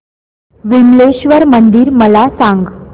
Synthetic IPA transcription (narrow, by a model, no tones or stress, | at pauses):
ʋimleɕʋəɾmənd̪iːɾməlasãŋɡ